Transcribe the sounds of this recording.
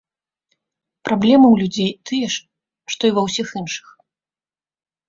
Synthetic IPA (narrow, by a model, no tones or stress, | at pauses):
pɾablʲɛmɨwlʲud͡zʲejt̪ʰɨjɛʂ | ʂt̪ɔivɐwsʲixinʂɨ̥x